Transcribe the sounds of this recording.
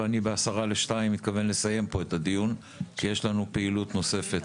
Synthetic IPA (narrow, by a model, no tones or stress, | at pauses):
anibeasaʁaleʃtaimːit̪kave̞nle̞saje̞mpo̞etad̪ijun | ʃeje̞ʃlanupeilut̪no̞se̞fe̞t